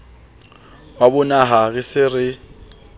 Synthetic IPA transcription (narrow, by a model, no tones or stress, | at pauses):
wabʊnaɦaɣɪsɪrɪ